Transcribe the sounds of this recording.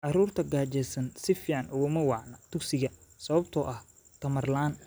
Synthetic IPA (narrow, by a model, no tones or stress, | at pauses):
ʔɑruːrt̪ʰɐɡaːt͡ʃɛsɐnsɪfiːʕɑnʔʊɣɐmɐwɑʕnɐt̪ʰʊksɪɣɐsɐβɐbt̪ʰɔʔɐh | t̪ʰɐmɐrlaːn